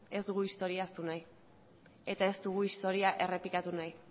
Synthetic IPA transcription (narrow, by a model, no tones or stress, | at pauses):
e̞zd̪uɣuist̪o̞ɾiast̪unaj | e̞t̪ae̞zd̪uɣ̞uist̪o̞ɾiaʔe̞re̞plikat̪unaj